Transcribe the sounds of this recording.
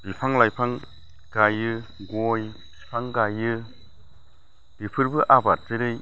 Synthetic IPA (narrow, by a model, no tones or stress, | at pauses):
b̥ipʰaŋlajpʰaŋ | ɡajɯɡɔjbipʰaŋɡajɯ | dɯpʰɯɾbɯʔabat̚zɯɾɯj